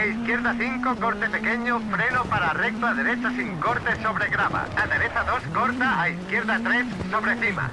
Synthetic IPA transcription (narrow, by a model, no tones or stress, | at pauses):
aiskjeɾðaθiŋkokoɾt̪epekeɲʊfɾenʊpaɾaːrɛk̚t̪aðeɾet͡ʃasiŋkoɾt̪esoβɾeɣɾaβa̰aðeɾet͡ʃaðoskoɾt̪aːiskjeɾðat̪ɾesːoβɾeθima̰